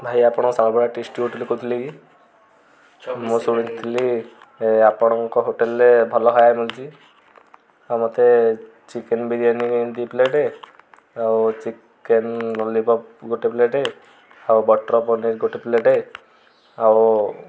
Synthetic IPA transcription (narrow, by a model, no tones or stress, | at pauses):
bʱajapɔɽ̃ɔsabɔbʱɔɽaʈisʈiɦoʈelikut̪ʰiliɡi | musuɽint̪ʰili | apɔɽ̃ɔŋkɔɦoʈelːebʱɔlɔɦɔjajmult͡ʃʰi | amɔt̪e | t͡ʃikenbidianiknt̪ipleʈe | awt͡ʃik | enɾɔlipɔpɡoʈepleʈe | awbɔʈɾɔpɔniɾɡoʈipleʈe | aw